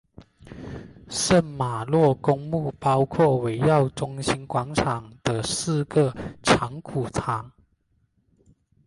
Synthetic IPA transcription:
ʂə˥˩nma˨˩lwɔ˥˩kʊ˥ŋmu˥˩˨pɑ˥ʊkʰwɔ˥˩we˧˥ɪjɑ˥˨ʊʈ͡ʂʊ˥ŋɕi˥nkwɑ˧˥ŋʈ͡ʂʰɑ˨˩ŋd̪̥ə˦sɹ̩˥˩ɡə˨˩ʈ͡ʂʰɑ˧˥˦ŋkʰu˨˩t͡sʰɑ˨˩˦ŋ

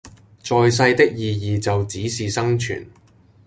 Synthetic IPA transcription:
t͡sɔː˨js̬ɐ˧jt̪ɪ˥k̚jiː˨jiː˨t͡sɐ˨wt͡siː˨˥siː˨sɐ˥ŋt͡ʃʰy̰ː˨˩n

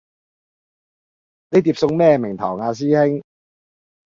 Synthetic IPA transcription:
ne˨˧jt̪iː˧p̚sʊ˧ŋmɛː˥˧mɪ˨˩ŋt̪ʰɔ̰ː˨˩wŋaː˧s̬iː˥hɪ˥ŋ

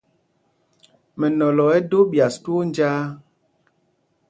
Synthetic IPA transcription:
mɛ˨nɔ˨lɔ˨ɛ˦do˦bja˨stu˦o˦n˦d͡ʒaː˦

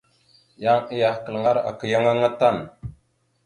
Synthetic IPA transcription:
ja˦ŋi˦ja˨kə˨lŋa˦ɾa̰˨kə˨ja˦ŋa˦ŋa˦ta˦˨n

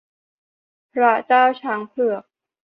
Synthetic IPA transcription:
pʰɾa˦˥t͡ɕaː˥˩wt͡ɕʰa˧˥ŋpʰlɯ˨˩ək̚

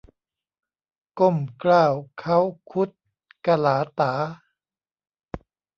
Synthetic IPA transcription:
ko˥˩mklaː˥˩wkʰa˦˥˩wkʰu˦˥t̪̚ | ka˧laː˩˦t̪aː˩˦

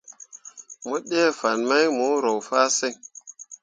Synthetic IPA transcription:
mo˦ɗeː˦fa˨nma˦jmu˨˦ɾo˨wfaː˦se˦˨ŋ

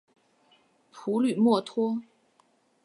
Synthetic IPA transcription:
pʰu˧˥ly˨˩mwɔ˥˩t̪ʰwɔ˥

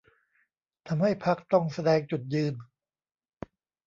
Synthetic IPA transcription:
t̪ʰa˧mɦa˥˩jpʰa˦˥k̚t̪ɔ˥˩ŋsa˧dɛː˧ŋt͡ɕu˨˩t̪̚jɯː˧n

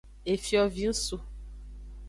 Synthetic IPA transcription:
e˨fjɔ˨vi˦n̩˦su˨

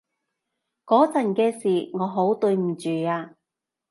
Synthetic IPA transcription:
kɔː˨˥t͡sɐ˨˩nkɛː˧siː˨˩ŋɔː˨˧ɦo˨˥wt̪ɵ˧ɥm̩˨˩t͡ʃyː˨˩aː˧

